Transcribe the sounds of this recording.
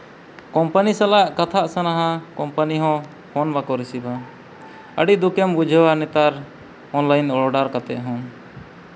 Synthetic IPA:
kɔmpanisalaʔkat̪ʰaʔsanaɦãkɔmpaniɦɔ̃ | kɔnbakɔɾisiba | ə̰ɖid̪ukɛmbud͡ʒʱɛwaɾnɛt̪aɾ | ɔnlajnɔlɔɖaɾkat̪ɛ̰ʔ̪ɦɔ̃

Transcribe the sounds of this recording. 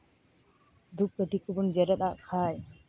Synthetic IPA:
d̪ʱup̚kəʈik̪ubund͡ʒɛɾɛt̪aʔkʰaj

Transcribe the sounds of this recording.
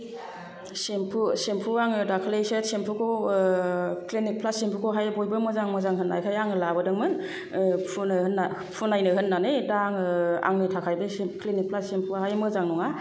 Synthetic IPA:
sempʰusempʰuaŋɯdakʰɯlejsesempʰukʰo | klinik̚pʰlasempʰukʰoɦajbojbɯmɯzaŋmɯzaŋɦɯnːa̰jkʰajaŋɯlabɯdɯŋmɯn | pʰunɯhɯnːa | pʰunajnɯɦɯnːanedaŋa̰ŋnɯtʰakʰajbɯklinik̚pʰlasempʰuɦajmɯzaŋnɔŋa

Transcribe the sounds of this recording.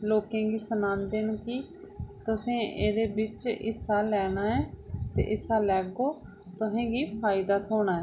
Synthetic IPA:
loːkẽːɡiːsənãːnd̪eːnkiː | t̪ʊsẽːʔeːd̪eːbɪt͡ʃɪsːaːlɛːɽ̃aːɛːt̪ḛːʔɪsaːlɛːɡoː | t̪ʊɦẽːɡiːpʰaːɪd̪aːt̪ʰoːɽ̃aːɦɛː

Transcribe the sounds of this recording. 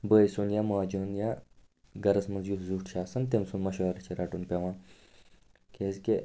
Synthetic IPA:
bəːjsonjamaːd͡ʒonja | ɡɐɾɐsmɐzjut̪zuːʈʃaːsɐnt̪emsunmɐʃɐːɾɐt͡ɕʰeɾɐʈunpʲɐʋãːn | kʰeːzke

